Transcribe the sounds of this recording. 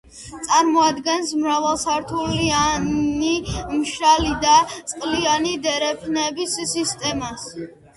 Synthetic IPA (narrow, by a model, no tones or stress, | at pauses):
t̪sʼaɾmɔad̪ɡɛnsmɾavalˠsaɾt̪ʰulianimʃɾalid̪at̪sʼqʼlianid̪ɛɾɛpʰnɛbisːist̪ʼɛmas